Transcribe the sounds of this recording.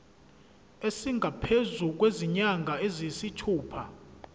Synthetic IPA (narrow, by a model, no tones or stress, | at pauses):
esiŋɡʱapʰezuk̬weziɲaŋɡʱaezisitʰuːpʰa